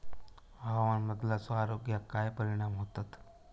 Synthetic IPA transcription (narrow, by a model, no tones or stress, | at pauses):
bʱaʋanməd̪lasɔaɾoɡjakajpəɾiɽ̃amɦot̪at̪